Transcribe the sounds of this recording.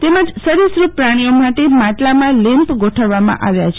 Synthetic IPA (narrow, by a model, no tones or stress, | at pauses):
t̪eməd͡ʒsəɾisɾupɾaɽ̃ijomaʈemaʈlamãlɪmpɡoʈʰəʋːamã̰ʔaʋjat͡ʃʰe